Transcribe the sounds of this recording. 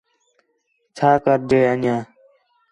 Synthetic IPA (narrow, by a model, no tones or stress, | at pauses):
t͡ʃʰaːkəɾd̪eːənjãː